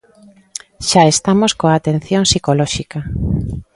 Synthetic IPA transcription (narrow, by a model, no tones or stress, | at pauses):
ʃaest̪amoskoaːt̪en̟θjoŋsikolɔʃika